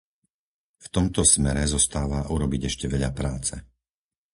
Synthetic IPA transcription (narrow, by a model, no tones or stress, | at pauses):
ft̪ɔmt̪ɔsmɛɾɛzɔst̪aːʋaʔuɾɔbiɟɛʃcɛʋɛʎapɾaːt͡sɛ